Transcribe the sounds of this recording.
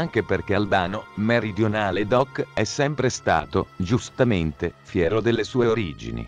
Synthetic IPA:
aŋk̟eperk̟eald̪aːnomeɾid̪jonaːled̪ɔkːɛsːɛmpɾest̪a̰ːt̪od͡ʒust̪ament̪efjɛːɾod̪elːesuːeoɾid͡ʒḭnḭ

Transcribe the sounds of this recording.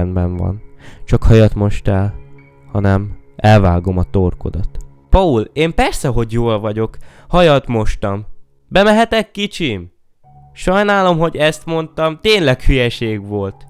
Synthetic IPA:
nbɛɱvɒ̰nt͡ʃɒkhɒjɒt̪mo̞ʃt̪ɛl | hɒnɛmʔɛlvaːɡo̞mɒt̪orko̰d̪ɒt̪ | pɒuleːmpɛrsɛɦo̞ɟjoːlvɒɟo̞khɒjɒt̪mo̞ʃt̪ɒm | bɛmɛɦɛt̪ɛkːit͡ʃim | ʃɒjnaːlo̞mɦo̞ɟɛst̪mo̞nt̪ɒmt̪eːnlɛkhyjɛʃeːɡʋo̞lt̪

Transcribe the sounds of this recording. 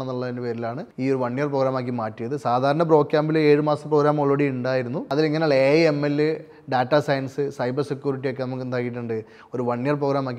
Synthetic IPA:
enːuɭːɐðindepeːɾilaːɳɨiːo̞ɾuʋɐɳːijɐrproːɣɾaːmaːk̬ːimaːtːijɐðɨsaːd̪ʱaːɾɐɳɐpro̞ːkʲjaːmbile̞ːɻɨmaːsɐpro̞ːɡɾaːmoɭʋɐɽiuɳɖaːjiɾunːuɐðiliŋːɐnaːɭeemːelːɨ | ɖaːʈːasɐjɐnsɨsɐjbɐrsekʲjuːɾiʈːijo̞kːenɐmuk̬ːend̪aːkiʈ̬ːuɳɖɨ | o̞ɾuʋɐɳːijɐrpro̞ːɡɾaːmaːkːi

